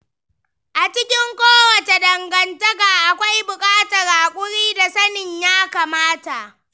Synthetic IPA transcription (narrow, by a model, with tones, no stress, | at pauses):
ʔa˨t͡ʃɪ˦kʲɪ˦ŋkʷoː˦wɐ˨ta˨dɐ˨ŋɡɐ˨ntɐ˦ka˨ʔa˨kʷa˦jbʊ˨kʼaː˦tɐ˨rʔaː˨kʷʼʊ˦ɽiː˦da˨sɐ˦nɪ˨ɲjaː˦kaː˨maː˦ta˨ʔ